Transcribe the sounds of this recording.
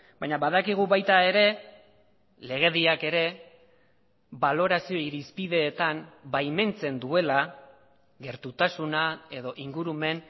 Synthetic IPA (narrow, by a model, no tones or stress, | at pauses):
bajɲaβaðakiɣ̞uβajt̪ae̞ɾe̞ | le̞ɣ̞e̞ðiake̞ɾe̞ | βalo̞ɾasio̞iɾispiðe̞ːt̪ambajme̞nt͡se̞nd̪ue̞la | ɣe̞ɾt̪ut̪asunae̞ðo̞ʔiŋɡuɾume̞n